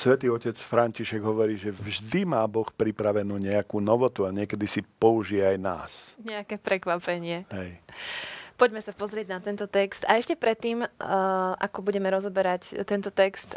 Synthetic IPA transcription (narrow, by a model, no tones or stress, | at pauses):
sʋɛt̪iːɔcɛt͡sfɾaɲciʃɛɡɦɔʋɔɾiːʒɛvʒd̪imaːbɔxpɾipɾaʋɛnuːɲɛakuːnɔʋɔt̪uaɲɪɛkɛd̪isipɔuʒiɛajna̰ːsɲɛakɛːpɾɛkʋapɛɲɪɛɦɛj | pɔɟmɛsapɔzɾɪɛɟnat̪ɛnt̪ɔt̪ɛkst̪aɛʃcɛpɾɛt̪ːiːm | ʔa̰kɔbuɟɛmɛɾɔzɔbɛɾact̪ɛnt̪ɔt̪ɛkst̪